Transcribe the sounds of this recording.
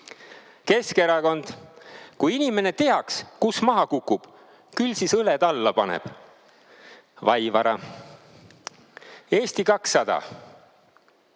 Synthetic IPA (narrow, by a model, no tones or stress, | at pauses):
ke̞skeɾɑko̞nd̪̥kujinime̞ne̞t̪e̞ɦɑkskusmɑɦɑkukːˑub̥ | kylsisɤled̪ɑlːɑpɑnḛb̥ | vɑjvɑɾɑ̰ | e̞ːst̪ikɑksːɑd̪̥ɑ̰